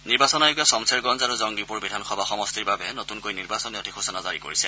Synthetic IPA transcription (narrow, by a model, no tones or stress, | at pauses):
niɹbasɔnajuɡasɔmsɛɹɡɔnzaɹuzɔŋɡipuɹbidʱankʰɔbaxɔmɔstiɹbabɛnotunkojniɹbasɔniotʰikʰusɔnazaɹiko̰ɹisɛ